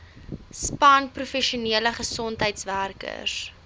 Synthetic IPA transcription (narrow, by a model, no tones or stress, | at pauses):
spɐnprufɛʃiuniələχəsɔntɦəjtsværkə̰s